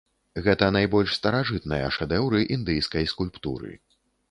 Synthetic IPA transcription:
ɣɛt̪ɐnajbɔlʲʂst̪ɐɾaʐɨt̪nɐjɐ̰ʂɛd̪ɛwɾɨʔind̪ɨjskɐjskulʲpt̪ṵɾɨ̰

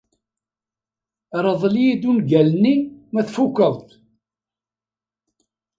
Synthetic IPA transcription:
ɾˤəðˤljid̪unɡælnimæθfukːəðˤt̪

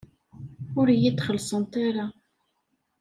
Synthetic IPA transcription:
ʊɾjit̪ːχəlsˤənt̪aɾa

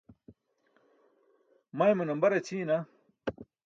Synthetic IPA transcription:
mɐemɐnɐmbɐɾet͡ɕʰiːna

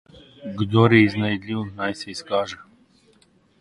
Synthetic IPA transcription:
ɡd̪ɔɾɛiznajd̪lʲiwnajsɛiskaʒɛ

